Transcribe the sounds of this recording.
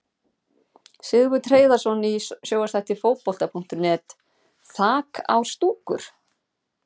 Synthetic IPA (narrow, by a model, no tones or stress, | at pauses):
sɪɣvʏt̪ʰɾeːjðḁsɔnisjoːwast̪ʰaht̪ɪɾfoːwpɔl̥t̪apʰuŋ̥t̪ʏɾnɛːt̪ | θaːka̰wst̪uːkʏ̰ɾ̥